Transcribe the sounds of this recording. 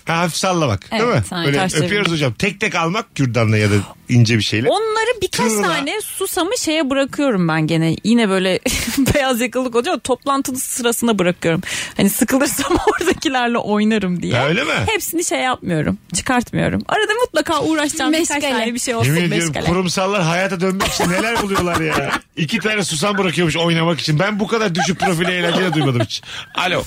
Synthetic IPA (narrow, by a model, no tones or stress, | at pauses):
hɛhafifsalˠːamakɛamɯaøːlaʃøpjoɾuzod͡ʒamt̪ʰɛc̚t̪ʰɛkalˠmak̚ɟyɾd̪anˠajad̪aind͡ʒɛbiʃejlʲɛo̞nlˠaɾɯbikʰaʃt̪ʰaːnɛsusamɯʃe̞jɛbɯɾakʰɯjo̞ɾumbænɟenɛjinɛbø̞jlʲɛbe̞jazjakɯlˠːɯk̬oad͡ʒat̪ʰo̞plˠant̪ʰɯnˠɯsɯɾasɯnd̪abɯɾakʰɯjo̞ɾumhanisɯkɯlˠɯɾsamoɾd̪acilʲæɾlʲɛ̰ʔo̞jnaɾɯmd̪ijɛøjlʲemɪhepsiniʃejːap̚mɯjo̞ɾṵmt͡ʃʰɯ̥kʰaɾt̪mɯjo̞̰ɾṵma̰ɾad̪amut̪lˠakaːʔuːɾaʃd͡ʒamanɛbiʃejolˠemindijom̰ʲuɾumsalˠːaɾɦajaːt̪ʰad̪ønmɛkit͡ʃʰinnːelʲæɾbulˠujo̞lˠaɾja | icʰit̪ʰaːɾɛsus̬anbɯɾakɯjomuʃo̞jnamaki̥t͡ʃʰinbænbukad̪aɾd̪yʃyc̚ʲpʰɾo̞filʲɛelʲæld͡ʒelʲɛd̪ujmad̪ɯmit͡ʃʰi̥na̰lʲo̰